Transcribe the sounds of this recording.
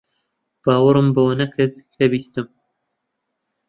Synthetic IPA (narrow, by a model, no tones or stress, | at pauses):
b̥aːwɨɾɨmbɐwanɐkʰɨɾd̪kʰɐbiːst̪ɨm